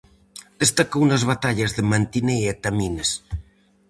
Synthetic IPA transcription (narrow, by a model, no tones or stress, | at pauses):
d̪est̪akownɐzβat̪aʎɐzðemant̪ineet̪amines